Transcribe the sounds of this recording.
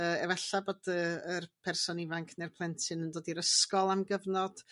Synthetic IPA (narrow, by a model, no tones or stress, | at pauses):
əːɛvɛɬaboːdəərpʰɛrsɔnivaŋkʰnerpʰlˠɛntʰɨnəndoːdiɾəskɔlˠamɡəvnɔd̥